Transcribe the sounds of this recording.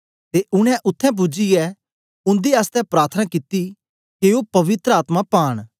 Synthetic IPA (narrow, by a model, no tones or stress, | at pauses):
t̪eʔʊɽ̃ɛ̃ʔʊt̪ʰːɛ̃p̬ʊd͡ʒijɛ | ʊ̃nd̪iaːst̪ɛpɾaːɾt̪ʰənãkɪt̪i | keːopɐʋɪt̪ɾəaːt̪mãpaːɽ̃